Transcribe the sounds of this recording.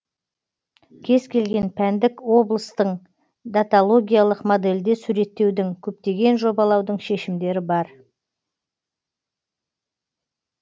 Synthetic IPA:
kʲʰe̞zkʲʰe̞lɡʲe̞npʰænd̪ɪkwo̞blˠəst̪əɴ | d̪at̪alˠo̞ɡʲijalˠəqmo̞d̪e̞ld̪e̞suɾe̞t̪ːe̞wd̪ɪŋkʲʰɵp̚t̪e̞ɡʲe̞nʒo̞bɑlˠɑwd̪əɴʃe̞ʃɪmd̪e̞ɾɪbɑɾ

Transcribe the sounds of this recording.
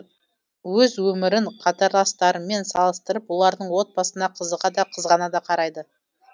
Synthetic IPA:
wɵzwɵmɪɾɪɴqʰɑt̪ɑɾlˠɑst̪ɑɾəme̞nsɑlˠəst̪əɾəpwo̞lˠɑɾd̪əɴwo̞t̪̚bɑsənɑqʰəzəʁɑd̪ɑqʰəzʁɑnɑd̪ɑqʰɑɾɑjd̪ə

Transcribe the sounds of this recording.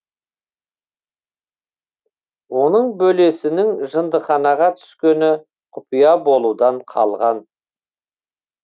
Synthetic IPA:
wo̞nəɴbɵle̞sɪnɪŋʒənd̪əχɑnɑʁɑt̪ʰʏ̥skʲe̞nɪ | qʰʊpijɑbo̞lˠud̪ɑɴqʰɑ̰lˠʁɑn

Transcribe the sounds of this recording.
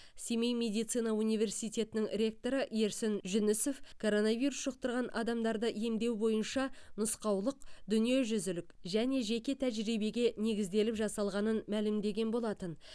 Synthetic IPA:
se̞mejmʲe̞d̪ijt̪sɨjnɑunijvʲe̞rsijt̪ʰʲe̞t̪ɪnɪŋɾʲe̞k̚t̪o̞ɾəʔje̞ɾsɪnʒʏnɪso̞fkʰo̞ɾo̞nɑvʲiɾusʒoq̚t̪əɾʁɑnʔɑd̪ɑmd̪ɑɾd̪əe̞md̪e̞wbo̞jənʃɑnʊsqɑwlˠəqd̪ʏnije̞ʒʏzɪlɪkʒæne̞ʒe̞kʲe̞t̪ʰæʒɾijbe̞ɡʲe̞ne̞ɡʲɪzd̪e̞lɪpʒɑsɑlˠʁɑnənmælɪmd̪e̞ɡʲe̞nbo̞lˠɑt̪ən

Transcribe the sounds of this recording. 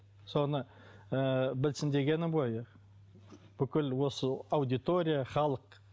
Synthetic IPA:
so̞nə | əbɪlsɪnd̪e̞ɡʲe̞nɪbojə | b̥ʏkʲɪlwo̞səawd̪it̪o̞ɾʲijaχɑlˠəq

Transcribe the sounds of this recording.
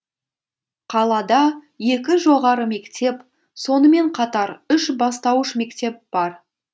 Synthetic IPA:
qʰɑlˠɑd̪ɑ | je̞kʲɪʒo̞ʁɑɾəme̞kt̪e̞p | so̞nəme̞ɴqʰɑt̪ɑɾʏʃbɑst̪ɑwəʃme̞kt̪e̞p̚b̥ɑɾ

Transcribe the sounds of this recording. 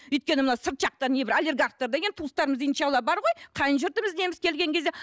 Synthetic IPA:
ʏjt̪kʲe̞nɪmənɑsəɾt̪ʃɑq̚t̪ɑnjebɪɾalʲe̞rɡak̚t̪ːoɾd̪ɑɡʲent̪ʰulˠst̪ɑɾəməzijnʃɑlˠɑbɑɾʁo̞jqʰɑjənʒʏɾt̪ɪmɪzne̞mɪz̥kʲʰe̞lɡʲe̞ŋkʲʰe̞zd̪e

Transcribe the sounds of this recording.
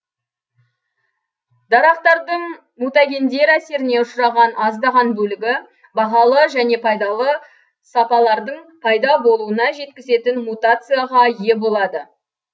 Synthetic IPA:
d̪ɑɾɑqt̪ɑɾd̪əɴ | mut̪ɑɡʲe̞nd̪e̞ɾæse̞ɾɪne̞ʊʃɾɑʁɑnɑzd̪ɑʁɑnbɵlɪɡʲɪ | bɑʁɑlˠəʒæne̞pʰɑjd̪ɑlˠə | sɑpɑlˠɑɾd̪əɴpʰɑjd̪ɑbo̞lˠuənɑʒe̞t̪̚kʲɪze̞t̪ɪnmut̪at̪sɨjaʁɑje̞bo̞lˠɑd̪ə

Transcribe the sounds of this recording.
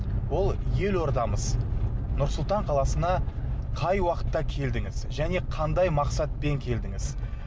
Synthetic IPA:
wo̞lˠje̞lwo̞ɾd̪ɑməznʊɾsʊlˠt̪ɑɴqʰɑlˠɑsənɑqʰɑjwɑqə̥t̪ːɑkʲʰe̞ld̪ɪŋɪzʒæne̞qʰɑnd̪ɑjmɑqsɑt̪̚pe̞ŋkʲʰe̞ld̪ɪŋɪz̥

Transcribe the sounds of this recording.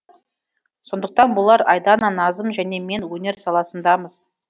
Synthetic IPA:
so̞nd̪əq̚t̪ɑnbolˠɑɾɑjd̪ɑnɑnɑzəmʒæne̞me̞nwɵne̞ɾsɑlˠɑsənd̪ɑməz

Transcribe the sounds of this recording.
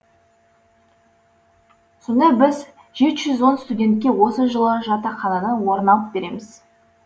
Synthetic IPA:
so̞nd̪ɑbɪz | ʒ̥e̞t̪ʒʏzwo̞nst̪udʲe̞nt̪̚kʲe̞wo̞səʒəlˠəʒɑt̪ɑqʰɑnɑnənwo̞ɾnɑlˠəp̚be̞ɾe̞mɪz̥

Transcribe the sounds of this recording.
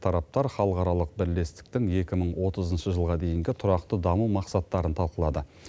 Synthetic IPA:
t̪ʰɑɾɑp̚t̪ɑɾχɑlˠəqɑɾɑlˠəq̚bɪɾle̞st̪ɪ̥k̚t̪ɪŋe̞kʲɪməɴwo̞t̪əzənʃəʒəlˠʁɑd̪e̞jɪŋɡʲɪt̪ʰʊɾɑqt̪əd̪ɑmuwmɑqsɑt̪ːɑɾənt̪ʰɑlˠqəlˠɑd̪ə

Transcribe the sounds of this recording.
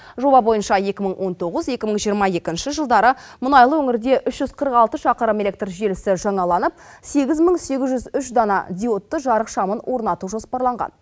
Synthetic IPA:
ʒo̞bɑbo̞jənʃɑje̞kʲɪməɴwʔo̞nt̪ʰo̞ʁəze̞kʲɪməɴʒijəɾmɑje̞kʲɪnʃɪʒəlˠd̪ɑɾəmʊnɑjlˠəwɵŋɪɾd̪e̞ʔʏsʒʏzqʰəɾəqɑlˠt̪əʃɑqəɾəmelʲekt̪rʒe̞lɪsɪʒɑɴɑlˠɑnəp̚se̞ɡʲɪzməɴse̞ɡʲɪzʒʏzʏʃd̪ɑnɑd̪ʲiot̪ːəʒɑɾəqʃɑmənwʔo̞ɾnɑt̪uʒo̞spɑɾlˠɑɴʁɑ̰n

